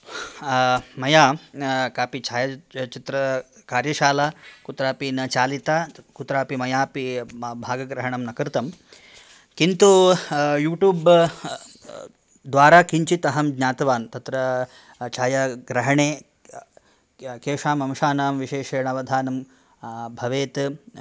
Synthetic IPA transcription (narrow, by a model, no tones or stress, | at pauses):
mɐjaːkaːpit͡ʃaːjɐt͡ʃit̪ɾɐkaːɾjɐʃaːlakut̪ɾaːpinɐt͡ʃaːlit̪aːkut̪ɾaːpimɐjaːpibʱaːɡɐɡɾɐɦɐɳɐmnɐkɐɾt̪ɐm | kint̪ujuːʈjuːb | d̪ʋaːɾaːkiɲt͡ʃit̪ɐɦɐmɡɲaːt̪ɐʋaːnt̪ɐt̪ɾɐ | t͡ʃaːjɐɡɾɐɦɐɳeː | keːʂaːmɐmʃaːnaːmʋiʃeːʃɐːɳɐʋɐd̪ʱaːnɐm | bʱɐʋeːt̪